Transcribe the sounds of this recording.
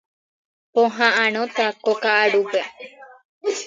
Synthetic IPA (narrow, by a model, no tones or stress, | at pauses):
põɦããñõt̪akokaʔaɽupe